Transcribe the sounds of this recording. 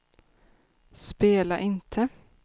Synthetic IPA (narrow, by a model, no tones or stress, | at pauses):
speːlɑʔɪnt̪ʰə